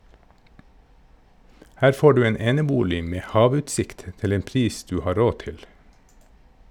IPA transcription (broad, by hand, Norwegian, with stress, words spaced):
ˈhæːɾ ˈfoː ˈɖʉː ə ˈeːnəˌbuːlɪ ˈmeː ˈhɑːˌʋʉːtsɪkt ˈtɪl ˈeːn ˈpɾiːs ˈdʉː ˈhɑː ˈɾoː ˈtɪl